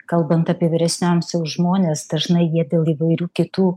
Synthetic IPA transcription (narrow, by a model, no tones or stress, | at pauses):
kɐlˠbɐnt̪ɐːpʲiɛʋʲɪɾʲɛsʲnʲoːmsjɛʊʒmoːnʲeːsd̪̥ɐʒnɐɪjiɛd̪ʲeːlˠiʋɐɪɾʲuːkʲɪt̪uː